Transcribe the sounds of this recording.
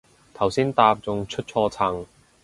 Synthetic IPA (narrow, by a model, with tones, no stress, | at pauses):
t̪ʰɐ˨˩wsiː˥nt̪aː˧p̚t͡sʊ˨˧ŋt͡ʃʰɵ˥t̚t͡ʃʰɔː˧t͡sʰɐ˨˩ŋ